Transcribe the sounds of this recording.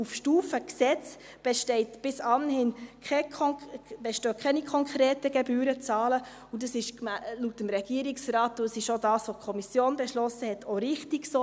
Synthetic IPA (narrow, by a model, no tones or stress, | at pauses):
ufʃtuːfəksɛt͡s | b̥ɛʃtɛɪtb̥ɪsɑnhɪnkɛ | b̥ɛʃtøːkʰɛnikʰɔŋkɾɛːtəɡ̥ɛbyːɾət͡sɑːlə | udɑsɪʃmlutəmɾɛɡ̥iəɾiksɾɑːtuəsɪʃodɑːsʋokʰɔmisjoːnbɛʃlɔsəhɛtʰoɾɪχtiɡso